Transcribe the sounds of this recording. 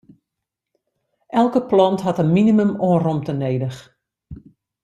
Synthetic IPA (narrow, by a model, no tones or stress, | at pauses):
ʔɛlˠkəplɔntɦatənminimymoːrɔmtəneːdəx